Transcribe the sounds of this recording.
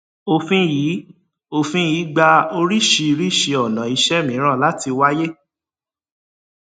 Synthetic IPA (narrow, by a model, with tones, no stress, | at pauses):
o˧˨fĩ˦jiː˨˦ | o˦˨fĩ˦jiː˨˦ɡ͡ba˧o˧ɾi˦ʃi˧ɾi˦˨ʃe˧ɔ˨nã˨i˧ʃɛ˦mĩ˨˦ɾ̃ã˦˨la˦ti˧wa˦je˦